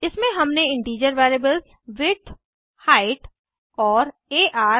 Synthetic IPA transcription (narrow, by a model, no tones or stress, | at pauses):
ɪsmẽɦɐmneɪ̃ɳʈiːd͡ʒəɾʋaːɪɾeːbəlz | ʋɪʈ̪ʰ | haːɪʈ | ɔːɾeːʔaː